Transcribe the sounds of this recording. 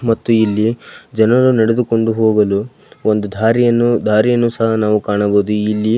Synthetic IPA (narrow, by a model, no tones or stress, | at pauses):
mɐt̪ːuilːid͡ʒɐnɐɐɾunɐɽed̪uko̞ɳɖuɦoːɡɐlu | ond̪ud̪ʱaːɾijɐnːud̪ʱaːɾijɐnːusɐɦɐnaːʋukaːɳɐboːd̪uilːi